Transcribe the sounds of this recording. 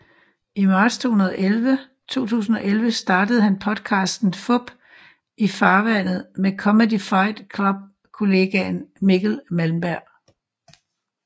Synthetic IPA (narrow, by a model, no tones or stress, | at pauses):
imɑ̈ːd̥st͡sʰo̝ːhunɐðˠɒʔelʋə | t͡sʰo̝̰ːt͡sʰṵːsn̩ɒ̽ʔelʋəsd̥ɑ̈ːd̥əð̞̩ˠhænpʰɒ̽d̥kʰɑ̈ːsd̥n̩fɔb̥ | ifɑ̈ːʋæn̰ð̞̩ˠmekʰɒ̽məd̥ifɑ̈ɪd̥kʰlɔb̥̚ | kʰo̝le̝ɡ̥ænmiɡ̥l̩mælm̩b̥æɐ̰